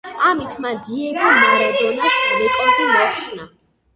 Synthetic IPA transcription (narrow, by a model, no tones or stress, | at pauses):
amit̪ʰmad̪iɛɡɔmaɾad̪ɔnasmɛkʼɛd̪imɛχʃna